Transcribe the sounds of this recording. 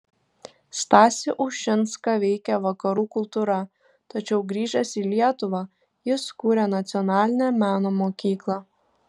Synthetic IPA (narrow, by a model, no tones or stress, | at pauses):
st̪ɑːsʲɪʔʊʊʃʲɪnskɑʋʲɛɪkʲɛʋɐkɐɾuːkʊlˠt̪uɾɐ | t̪ɐt͡ʃʲɛʊɡɾʲiːʒɛsiːlʲiɛt̪ʊʋɑː | jɪskuːɾʲɛnɐt̪sʲɪɔnɑːlʲɪnʲæmʲæːnoːmoːkʲiːklˠɑː